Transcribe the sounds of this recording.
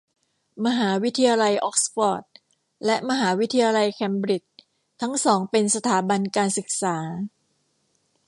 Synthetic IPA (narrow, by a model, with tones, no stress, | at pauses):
ma˧ɦaː˩˦wi˦˥t̪ʰi˧jaː˧la˧jʔɔ˦˥k̚sfɔː˨˩t̪̚ | lɛ˦˥ʔma˧ɦaː˩˦wi˦˥t̪ʰi˧jaː˧la˧jkʰɛ˧mbɾi˨˩t͡ɕ̚ | t̪ʰa˦˥ŋsɔː˩˦ŋpe˧nsa˧t̪ʰaː˩˦ba˧nkaː˧nsɯ˨˩k̚saː˩˦